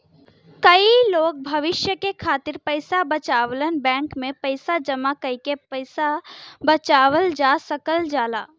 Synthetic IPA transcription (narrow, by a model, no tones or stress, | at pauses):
kəiloːk̚bʱəʋɪʃjəkekʰaːt̪ɪɾpəɪsabət͡ʃaːʋlənbɛ̃ːŋkmẽpəɪsad͡ʒəmakəikepəɪsabət͡ʃaːʋəld͡ʒasəkəld͡ʒaːlaː